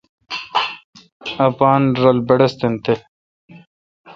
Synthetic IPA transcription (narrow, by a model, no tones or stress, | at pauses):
ɐpaːnɾɐlbɐɽɐst̪ent̪e